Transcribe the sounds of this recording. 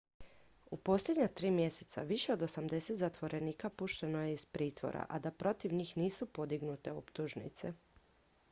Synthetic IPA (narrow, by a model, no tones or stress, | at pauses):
upo̞slʲed̪ɲat̪ɾiːmje̞se̞t̪sa̰ʋiʃe̞o̞d̪o̞samd̪e̞set̪zat̪ʋo̞ɾe̞niːkapuʃt̪e̞no̞jeizpɾiːt̪ʋo̞̰ɾa̰ʔad̪apɾo̞t̪iʋɲiːxniːsupo̞d̪iɡnut̪e̞opt̪uʒnḭt̪se̞